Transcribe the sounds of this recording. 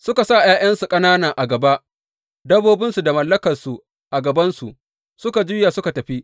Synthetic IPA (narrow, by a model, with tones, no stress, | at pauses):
sʊ˦ka˨sa˦˨jaː˦jɐ˦nsu˨kʼɐ˦naː˦na˨ʔa˨ɡɐ˨ba˦ʔ | dɐ˦boː˦bɪ˦nsu˨da˨mɐ˨lːɐ˦kɐ˨rsu˨ | ʔa˨ɡɐ˨bɐ˦nsu˨ʔ | sʊ˦ka˨d͡ʒʊ˦ja˨sʊ˦ka˨tɐ˨ɸi˦ʔ